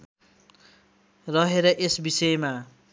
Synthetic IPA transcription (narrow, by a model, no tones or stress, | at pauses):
rʌɦeɾʌʔesbisʌjma